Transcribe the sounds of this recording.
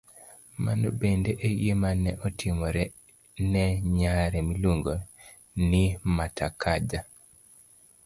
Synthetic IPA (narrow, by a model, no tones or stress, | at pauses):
ma̰nobendeʔejemanɛʔɔtʰimɔɾɛ | nɛɲaɾɛmiloŋɡo | nimatʰakʰad͡ʒa